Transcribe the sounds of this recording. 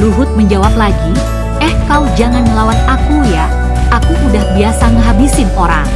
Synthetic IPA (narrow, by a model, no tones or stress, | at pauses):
luɦʊt̪̚məɲd͡ʒawaplaɡi | ʔɛhkawd͡ʒaŋanɲəlawat̪̚akuja | ʔakuʔudahbiasaŋəɦabisɪnoɾa̰ŋ